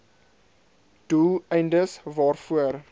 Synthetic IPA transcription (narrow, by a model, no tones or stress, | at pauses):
d̥uɛjndəsvɑːrfuər